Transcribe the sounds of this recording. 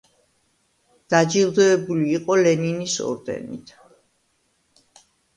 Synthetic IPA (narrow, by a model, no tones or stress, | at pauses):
d̪̥ad͡ʒilˠd̪ɔɛbuliːqʼɔlɛninisɔ̰ɾd̪ɛ̰nḭt̪ʰ